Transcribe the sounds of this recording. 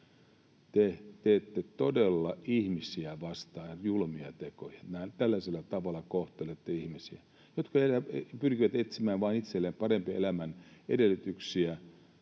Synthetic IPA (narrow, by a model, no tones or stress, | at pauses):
t̪et̪eːt̪ːet̪odelːɑihmisiæʋɑst̪ɑːjulmiɑ̰t̪ekojɑ̥neænt̪ælːæselːæt̪ɑʋɑlːɑkoht̪elet̪ːeihmisiæ | jot̪kɑelæpyrkiʋæt̪et̪simæːʋɑinit̪selːeːmpɑrempielæmænḛdelːyt̪yksiæ